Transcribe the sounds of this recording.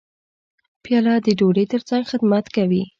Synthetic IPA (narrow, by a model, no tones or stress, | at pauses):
pjɑlɑd̪əɖoɽet̪əɾt͡saŋɡxɪd̪mat̪kawi